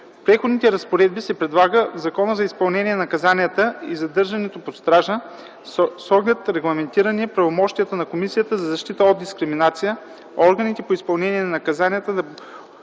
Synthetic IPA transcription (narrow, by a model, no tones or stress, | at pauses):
pɾɛxod̪nit̪ɛɾɐspoɾɛd̪̚bisɛpɾɛd̪lˠaɡəvzɐkɔnəzɐispɐlˠnɛniɛnɐkɐzanijət̪əizɐd̪ɤɾʒɐnɛt̪opot̪st̪ɾaʒə | sɔɡlʲɛt̪ɾɛɡlˠɐmɛnt̪iɾɐniɛpɾɐvomɔʃt̪ijət̪ənɐkomisijət̪əzɐzɐʃt̪it̪əod̪d̪iskɾiminat̪sijə | ɔɾɡənit̪ɛpoispɐlˠnɛnʲiɛnɐnɐkɐzanijət̪əd̪ɐ